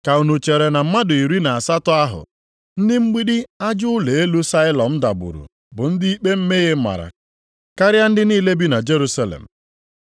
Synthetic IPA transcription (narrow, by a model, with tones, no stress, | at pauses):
ka˨u˨nu˨t͡ʃe˨ɾe˨na˨m̩˦ma˦dʊ˨i˨ɾi˦na˨a˨sa˦tʊ˦a˦ɦʊ̰˨ | n̩˦dɪ˦ŋ͡m̩˦ɡ͡bi˦dɪ˦a˦d͡ʒʊ˦ʊ˦le˨e˦lu˦sa˦ɪ˦lɔ˨m̩˦da˨bṵ˨ɾṵ˨ | bʊ˨n̩˦dɪ˦i˦k͡pe˦m̩˦me˦ɣe˦ma̰˨ɾa̰˨ | ka˦ɾɪja˦n̩˦dɪ˦niː˦le˦bi˦na˨d͡ʒe˦ɾu˦sa˦lḛ˨m̩˨